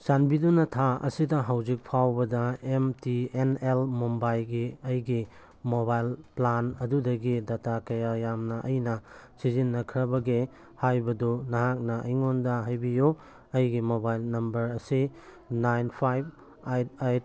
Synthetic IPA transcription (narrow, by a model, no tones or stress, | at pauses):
sanbidunɐtʰaɐ̰sidɐɦawzik̚pʰawbɐdɐemtienelmombajlɡiɐjɡi | mobajlplanɐdudɐɡidatakɐjajamnɐʔɐjnɐ | sizinːɐkʰɾɐbɐɡe | hajbɐdunɐɦak̚nɐʔɐjŋondɐɦajbijo | ɐjɡimobajlnɐmbɐɾɐsi | najnpʰajb̚ | ajtajt̚